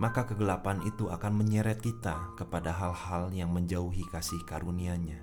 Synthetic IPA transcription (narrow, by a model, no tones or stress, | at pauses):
makakəɡəlapanit̪uakanməɲəɾɛt̪̚kit̪akəpadaɦalhaljaŋməɲd͡ʒauɦikasɪhkaɾuniaɲa